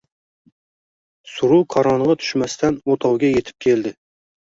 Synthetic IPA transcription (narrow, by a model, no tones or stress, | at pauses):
suɾuqʰɑɾɑnəʁɑt̪ʰy̥ʃmɛst̪ʰɛnot̪ʰɑwɡʲɛjet̪ʰɪ̥p̚kʲʰeld̪ɪ